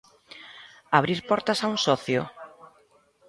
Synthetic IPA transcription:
aβ̞ɾiɾpɔɾt̪asauŋsɔθjʊ̰

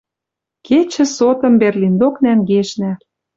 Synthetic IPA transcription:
ket͡ɕɘ̆sot̪ɤ̆mberlind̪oknæŋɡeʃnæ

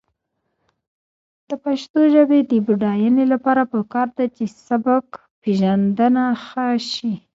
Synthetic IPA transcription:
d̪̥əpaʃt̪oʒəbed̪əbuɖɑjanelapɑɾapəkɑɾd̪at͡ʃesabak | peʒand̪ənaxəʃi

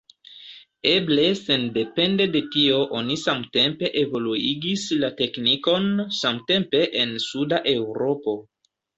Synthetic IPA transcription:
eble̞se̞nde̞pe̞nde̞de̞tio̞ʔo̞nisamte̞mpe̞ʔevo̞luiɡislate̞kniko̞nsamte̞mpe̞ʔensudaʔe̞wɾo̞po̞

